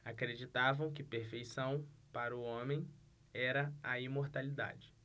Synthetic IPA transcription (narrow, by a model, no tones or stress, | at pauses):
akɾed͡ʒit̪avɐ̃w̃kɪpeɾfejsɐ̃w̃paɾʊõmẽj̃ | ɛɾɐaimoɾt̪alid̪a̰d͡ʒɪ